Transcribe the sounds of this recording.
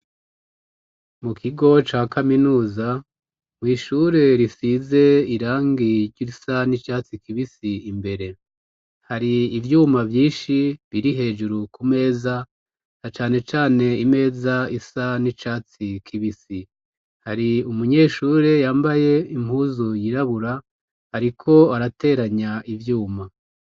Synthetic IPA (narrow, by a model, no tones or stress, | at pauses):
mukʰiɡo̞t͡ʃaːkaminuːza | mwiːʃuɾe̞ɾisize̞iɾaːŋɡiɾɟuisanit͡ʃaːt͡sikiβisiimbe̞ɾe̞ | haɾiːvjuːmavjĩːnʃiβiɾiɦe̞ːd͡ʒuɾukume̞ːza | nat͡ʃaːne̞t͡ʃaːne̞ime̞ːzaisanit͡ʃaːt͡sikʰiβisi | haɾiumuɲe̞ːʃuːɾe̞jaːmbaje̞im̥huːzujiɾaβuɾa | aɾikʰo̞aɾate̞ːɾaɲaivjuːma